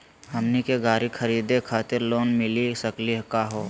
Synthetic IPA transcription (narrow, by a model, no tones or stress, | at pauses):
ɦɐmnikeɡaːɾikʰɐɾiːd̪ekʰaːt̪ɪɾloːnmɪlisəkliɦkaɦoː